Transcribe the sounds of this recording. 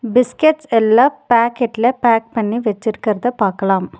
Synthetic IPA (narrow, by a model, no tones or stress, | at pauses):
bɪskɛʈsɛlːãːpaːkɛʈːɪlɐpaːk̚pɐɳːiʋɛt͡ʃːɪɾɯkːɪɾɐðɐpaːɾkɐlaːm